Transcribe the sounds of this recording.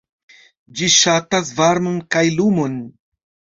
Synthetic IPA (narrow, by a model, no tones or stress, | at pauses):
d͡ʒiʃatas̬vaɾmonkajlumo̞n